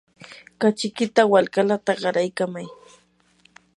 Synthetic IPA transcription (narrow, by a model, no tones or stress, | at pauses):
kat͡ʃɪkɪt̪awalkalat̪aɢɑɾajkamaj